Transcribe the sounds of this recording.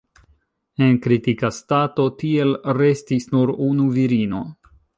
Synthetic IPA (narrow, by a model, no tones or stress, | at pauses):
e̞nkɾitikastato̞tie̞lɾe̞stisnuɾunuviɾino̞̰